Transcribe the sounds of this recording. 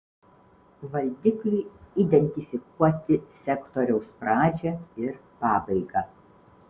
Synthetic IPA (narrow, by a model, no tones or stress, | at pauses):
ʋɐlʲd̪ʲɪklʲuɪid̪ʲɛnʲt̪ʲɪfʲɪkuɔt̪ʲɪsʲɛkt̪ɔɾʲɛʊspɾɑːd͡ʒʲɛɪɾpɑːbɐɪɡɑː